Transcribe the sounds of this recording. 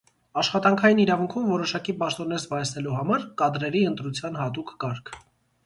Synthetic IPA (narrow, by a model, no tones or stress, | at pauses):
ɑʃχɑt̪ɑŋkʰɑjiniɾɑvuŋkʰumvɔɾɔʃɑkipɑʃt̪ɔnːɛɾzbɑjɛsnɛluɦɑmɑɾkɑd̪ɾɛɾiənt̪ɾut͡sʰjɑnhɑt̪̬ukːɑɾkʰ